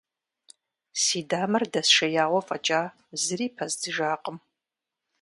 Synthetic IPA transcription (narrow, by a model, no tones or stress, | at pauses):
siːdaːmɨrdɐsʃɐjaːwɐfʼɐt͡ʃʼaː | zɨriːpʰɐzdɨʒaːqʼəm